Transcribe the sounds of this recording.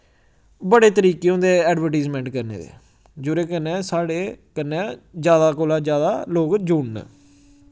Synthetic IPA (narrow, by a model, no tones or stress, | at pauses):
bəɽeːt̪əɾiːkeːõnd̪eːɛːɖʋəɾʈaːzmẽːɳʈkəɾnḛːd̪ḛː | d͡ʒʊɾeːkənɛ̃ːsaːɽeːkənːɛ̃d͡ʒjaːd̪aːkoːlaːd͡ʒjaːd̪aːloːkd͡ʒʊɳn̰ː